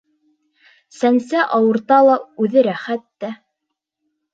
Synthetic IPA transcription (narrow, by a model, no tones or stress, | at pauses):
sænsæʔɑwɤ̆ɾt̪ɑlˠɑʉðɘɾæχæt̪ːæ